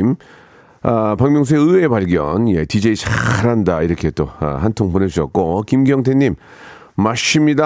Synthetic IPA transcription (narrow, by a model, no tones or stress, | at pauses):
m | apaŋmjʌŋsʰueɯe̞paɭɡjʌ̰njḛtid͡ʑeit͡ɕʰaɾandaiɾʌkʰet͈oa̰ɦantʰoŋponed͡ʑuʌt̚k͈okimɡiʌŋtʰeɲːimː | aɕ͈ʰimɲida